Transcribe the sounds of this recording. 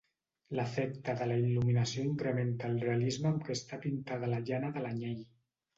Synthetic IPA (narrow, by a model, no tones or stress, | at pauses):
ləfɛkt̪əðələiluminəsioiŋkɾəment̪aːlˠrealizməːmkest̪apint̪aðələʒanəðəlaɲej